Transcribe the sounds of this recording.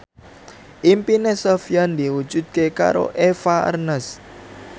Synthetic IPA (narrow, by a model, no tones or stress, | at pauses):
ʔimpinesofijand̪iwu̥d͡ʒ̥ṳd̪̚keka̰ɾo̰ʔefaə̰rnəs